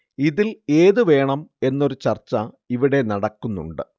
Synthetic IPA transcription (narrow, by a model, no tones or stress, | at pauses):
iðile̞ːðɨʋe̞ːɳɐme̞nːo̞ɾut͡ɕɐrt͡ɕːɐ | iʋiɽe̞nɐɽɐkːunːṵɳɖɨ